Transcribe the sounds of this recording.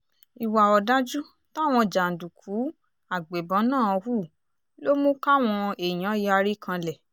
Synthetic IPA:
i˨wa˨ɔ˨da˦d͡ʒu˦ | ta˦˨w̃ɔ̃˧d͡ʒa˨n̩˨du˨kʰu˨˦ | a˨ɡ͡be˨bɔ̃˨˦nãː˦˨ɔ˧hu˦˨ | lo˦mũ˦ka˦˨w̃ɔ̃˧e˨j̃ã˨˦ja˧ɾi˦kʰã˧lɛ˨

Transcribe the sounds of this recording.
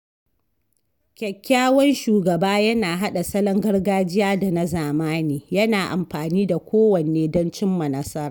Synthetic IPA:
kʲɛ˨kʲːaː˦wɔ˦nʃuː˨ɡɐ˨baː˦jɐ˦naː˨ɦa˦ɗa˨sɐ˦lɐ˦ŋɡɐ˦rɡaː˦d͡ʒɪ˦jaː˦da˨na˦zaː˨maː˦niː˨jɐ˦naː˨ʔa̰˨mɸaː˨niː˦da˨kʷoː˦wɐ˨neː˦dɔ˦nt͡ʃɪ˦mːɐ˨nɐ˦sɐ˦ɾaː˨

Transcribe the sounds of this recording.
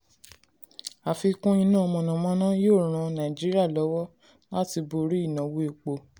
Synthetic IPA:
a˨fi˧kũ˦ĩ˧nã˦ɔ˧mɔ̃˧nã˨mɔ̃˨˧˦nã˦joː˦˨ɾ̃ã˧nã˨d͡ʒi˦ɾi˦a˦˨lɔ˨˦wɔ˦ | la˦ti˧bo˧ɾi˦i˦˨nã˨wo˦e˨˧k͡po˨˧

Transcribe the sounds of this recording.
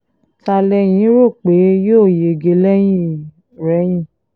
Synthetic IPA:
ta˧lɛ˧j̃ĩ˨˦ɾo˦˨k͡pe˨˦joː˦˨je˨ɡe˨˦lɛ˦j̃ĩ˦˨ | ɾɛ˨˦j̃ĩ˦˨

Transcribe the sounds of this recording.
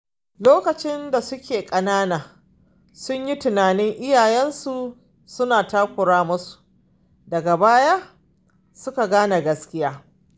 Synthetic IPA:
loː˦kɐ˨t͡ʃɪ˦nda˨sʊ˦kʲeː˨kʼɐ˨naː˦naː˨ | sʊ˦ɲji˦tʊ˨naː˨nɪ˦ŋʔɪ˦jaː˨jɛ˦nsu˨ | sʊ˦naː˨taː˦kʷʊ˨ɽaː˦mʊ˦su̥˨ | dɐ˨ɡa˨baː˦ja˦ | sʊ˦ka˨ɡaː˦na˨ɡɐ˦skʲɪ˦jaː˦

